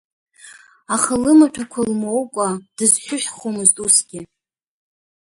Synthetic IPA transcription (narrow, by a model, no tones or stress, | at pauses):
aχəlɨmatʷᶣʰakʷʰalmowkʷʼad̥ɨzħʷᶣʊħʷᶣχomɨztʼusɡʲɪ